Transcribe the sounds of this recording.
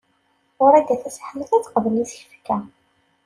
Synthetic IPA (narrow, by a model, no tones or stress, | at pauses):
ʊɾæd̪æθæsħəməθæt͡sːqəvəlisəçəfə̥kːæ